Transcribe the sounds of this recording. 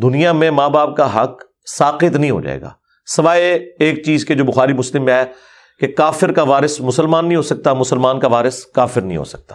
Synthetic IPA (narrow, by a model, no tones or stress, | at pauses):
d̪ʊnijamẽmaːbaːp̚kaɦɐq | saːqɪt̪nəɐɦĩɦo̰ːd͡ʒa̰ːḛːɡa̰ː | sɐʋaːeeːk̚t͡ʃiːzked͡ʒoːbʊxaːɾimʊslɪmːẽɦɛ | kekaːfɪɾkaʋaːɾɪsmʊsəlmaːnːɐɦĩɦosɐk̚t̪amʊsəlmaːnkaʋaːɾɪskaːfɪɾnɐɦḭ̃ɦo̰ːsɐ̥k̚t̪ḁː